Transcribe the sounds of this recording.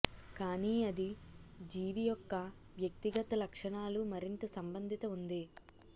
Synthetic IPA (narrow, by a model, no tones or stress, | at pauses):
kaːniːɐd̪id͡ʒiːʋijɔkːɐ | ʋjɐk̚t̪iɡɐt̪ɐlɐkʂɐɳaːlumɐɾint̪ɐsɐmbɐnd̪ʱit̪ɐund̪i